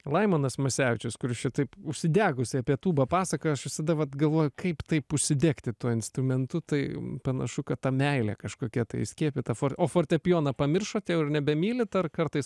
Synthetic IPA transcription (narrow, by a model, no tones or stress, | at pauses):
lˠɐɪmɐnɐsmɐsʲæːʋʲɪt͡ʃʲʊskʊɾʲɪʃʲt͡ʃʲɪt̪ɐɪpʊʃʲsʲɪd̪ʲæːɡʊsʲɪɐpʲiɛt̪uːbɐpɑːsɐkoɐʃʋʲɪsɐd̪ɐʋɐt̪ɡɐlˠʋoːjʊkɐɪpt̪ɐɪpʊʃʲsʲɪd̪ʲeːkt̪ʲɪt̪uɔɪnst̪ɾʊmʲɛnt̪ʊt̪ɐɪpɐnɐ̰ʃʊkɐtt̪ɐmʲɛɪlʲɛ̰kɐʃkoːkʲɛt̪ɐɪsʲkʲiɛpʲɪt̪ɐfoːɾoːfoːrʲt̪ʲɛpʲjoːnɐpɐmʲɪrʃoːt̪ʲɛʊɪrnʲɛbʲɛmʲiːlʲɪt̪ɐrkɐrt̪ɐɪs